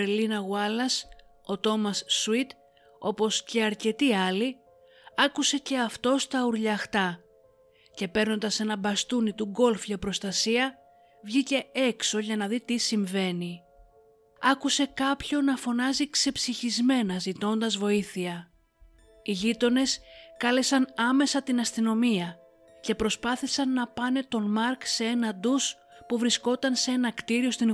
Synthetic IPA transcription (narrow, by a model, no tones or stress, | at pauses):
linɐɣuɐlɐso̞t̪o̞mɐsːuit̪ | o̞po̞sceɐɾce̞t̪iɐli | ɐkuse̞ce̞ɐft̪o̞st̪ɐuɾʎɐxt̪ɐ | ce̞pe̞ɾno̞nd̪ɐse̞nɐbɐst̪unit̪uɡo̞lfʝɐpɾost̪ɐsiɐ | vʝice̞e̞kso̞ʝɐnɐðit̪isiɱve̞ni | ɐkuse̞kɐpço̞nɐfo̞nɐzikse̞psiçizme̞nɐzit̪o̞nd̪ɐzvo̞iθiɐ | iʎit̪o̞ne̞skɐle̞sɐnɐme̞sɐt̪inɐst̪ino̞miɐ | ce̞pɾo̞spɐθisɐnːɐpɐne̞t̪o̞nmɐɾkseenɐd̪us | puvɾisko̞t̪ɐnse̞nɐkt̪iɾio̞st̪i